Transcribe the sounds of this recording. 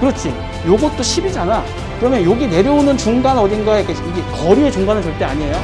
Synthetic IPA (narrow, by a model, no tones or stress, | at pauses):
kɯɾʌt͡ɕʰi | joɡʌt̚t͈oɕʰibid͡ʑana | kɯɾʌmjʌnjoɡine̞ɾjʌunɯnt͡ɕuŋɡanʌdɯnɡaekʰeiɡekʌɾie̞t͡ɕuŋɡanɯɭt͡ɕʌɭt͈e̞aɲie̞jo